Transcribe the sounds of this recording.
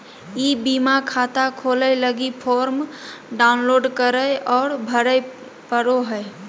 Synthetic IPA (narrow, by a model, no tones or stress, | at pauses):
ibimakʰat̪akʰoləɪləɡipʰoːɾmɖaʊnloːɖkəɾəɔːɾbʱəɾəj | pəɾoɦəj